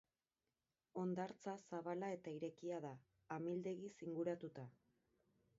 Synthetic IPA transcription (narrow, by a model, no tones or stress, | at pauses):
o̞nd̪aɾt͡sasaβalae̞t̪aiɾe̞kiaðaː | mild̪e̞ɣisiŋɡuɾat̪ut̪a